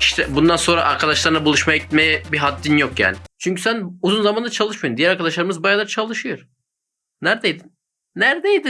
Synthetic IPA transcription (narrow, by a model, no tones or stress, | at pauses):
iʃt̪ʰɛbund̪anso̞nɾaʔaɾkʰad̪aʃlˠaɾnabulˠuʃmajaɟit̪mɛjɛbiɦat̪ːinjokja̰ːnɪt͡ʃʰyɲcʰysænuzunzamand̪at͡ʃʰalˠɯʃmajund̪ijæɾaɾkʰad̪aʃlˠaɾɯmɯzbajalˠat͡ʃʰalˠɯʃɯjoɾ | næɾd̪ejd̪inː | æɾd̪ejd̪i